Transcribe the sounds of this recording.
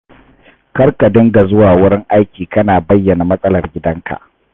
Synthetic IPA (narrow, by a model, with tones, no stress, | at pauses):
kɐ˦rka˨dɪ˦ŋɡa˨zʊ˦waː˨wʊ˦ɽɪ˦ŋʔa˦jkʲiː˨kɐ˦naː˨bɐ˦jːɐ˨na˨mɐ˦sʼɐ˦lɐ˨rɡʲɪ˦dɐ˦ŋka̰˨ʔ